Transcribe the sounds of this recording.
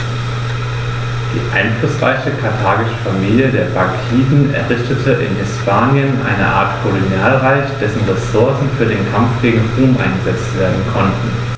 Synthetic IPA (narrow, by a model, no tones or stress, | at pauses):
d̥ḭːʔa̰ɪnflʊsʁ̥a̰ɪçəkʰaɐtʰaːɡɪʃə̥famiːljədeːɐbakʰiːdn̩ɛ̰ɐʁɪçtətʰəʔɪ̰nhɪspʰaːnjənʔa̰ɪnə̰ʔa̰ːɐtkʰolonjaːlʁaɪçd̥ɛsn̩ʁesʊɐsn̩fyːɐdeːnkʰamfɡ̥eːɡŋ̩ʁuːmʔa̰ɪnɡəzɛt͡stv̥eːɐdn̩kʰɔntn̩